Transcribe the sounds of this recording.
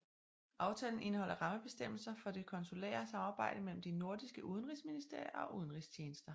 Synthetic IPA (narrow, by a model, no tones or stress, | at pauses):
ʔɑ̈ʊt͡sʰɛ̰ːln̩ʔe̝nəhɒ̽l̰ɐʁɑ̈məb̥e̝sd̥em̰l̩sɐfɒ̽d̥e̝kʰɒ̽nsulɛ̰ːɐsɑ̈mɑ̈ːb̥ɑ̈ɪ̰d̥əmel̰m̩d̥ino̝ɐd̥isɡ̥əʔuð̞ˠn̩ʁisminisd̥e̝ɐ̰jɐɒ̽ʔuðˠən̩ʁist͡ɕʰeːnəsd̥ɐ